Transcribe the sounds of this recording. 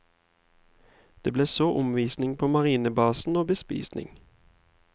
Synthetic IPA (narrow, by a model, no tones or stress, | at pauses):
d̪̥eːbleːsoːʔʊmʋiːsnɪŋpʰoːmɑʁiːnəbɑːsn̩oːbəspḭːsnɪ̰ŋ